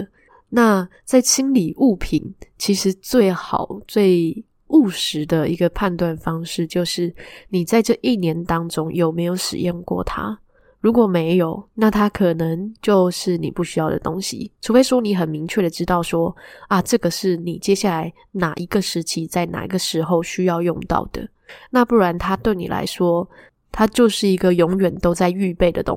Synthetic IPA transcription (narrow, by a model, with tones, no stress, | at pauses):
na˥˧t͡sa˥˩ɪɕʰi˥nli˨˩ʔu˥˩pʰḭ˨˩˦nt͡ɕʰi˧˥ʂɻ̩˧˥t͡swe˥˩ɪxɑ̰˨˩˦ʊt͡swe˥˧ɪ | u˥˩ʂɻ̩˧˥d̪ə˨i˧˥ɡə˧pʰa˥˧nt̪wa˥˨˩nfɑ˥ŋʂɻ̩˥˨t͡ɕjo˥˧ʊʂɻ̩˥˩ni˨˩t͡sa˥˧ɪʈ͡ʂɤ˥˩ʔi˥˩njɛ˧˥nt̪ɑ˥ŋʈ͡ʂʊ˥ŋjo˨˩ʊme˧˥ɪjo˨˧˥ʊʂɻ̩̰˨˩jo˥˧ŋkwɔ̰˥˩t̪ʰa̰˦ | ɻu˧˥kwɔ˨˩me˧˥ɪjo˨˩˦ʊna˥˩t̪ʰa˥kʰɤ˨˩nə˧˦ŋt͡ɕjo˥˧ʊʂɻ̩˥˩nḭ˨˩pu˥˩ɕy˥jɑ˥˩ʊd̪ə̰˩t̪o˥ŋɕḭ˨ʈ͡ʂʰu˧˥fe˥ɪʂwɔ˥ni˧˥xə˨˩nmi˧˦ŋt͡ɕʰɥɛ˥˩ɾə˩ʈ͡ʂɻ̩˥t̪ɑ˥˩ʊʂwɔ˥ɐ˧ʈ͡ʂɤ˥˩ɡə˩ʂɻ̩˥˩ni˨˩t͡ɕjɛ˥ɕja˥˩la˧˥ɪ | na˨˩ʔi˧˥ɡə˧ʂɻ̩˧˥t͡ɕʰi˥t͡sa˥˩ɪna̰˨˩ḭ˧˥ɡə˧ʂɻ̩˧˥xo˥˧ʊɕy˥jɑ˥˧ʊjʊ˥˧ŋt̪ɑ̰˥˩ʊd̪̥ə̰˩ | na˥˧pu˥˩ɻa˧˦nt̪ʰa˥t̪we˥˩ɪni˨la̰˧˥ɪʂwɔ˥ | t̪ʰa˥t͡ɕjo˥˧ʊʂɻ̩˥˩i˧˥ɡə˨jʊ˧˥ŋɥɛ˨˩nt̪o˥ʊt͡sa˥˧ɪy˥˧pe˥˩ɪd̪ə̰˩t̪ʊ̰˦ŋ